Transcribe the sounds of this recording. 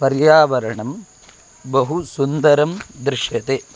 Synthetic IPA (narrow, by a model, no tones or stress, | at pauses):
pɐɾjaːʋɐɾɐɳɐm | bɐɦusund̪ɐɾɐmd̪ɾɪʂjɐt̪e